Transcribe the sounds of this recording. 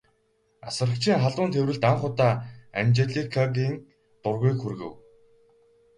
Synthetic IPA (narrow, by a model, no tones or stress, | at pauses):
a̰sə̆rə̆kt͡ɕʰiːŋχaɮʊːnt̪ʰewɾɘ̆ɮt̪aŋχʊt̪aːæ̰mʲt͡ɕeɮikʰːaɣiːŋ | t̪ʊrɣuːkxurɣɘ̰̆w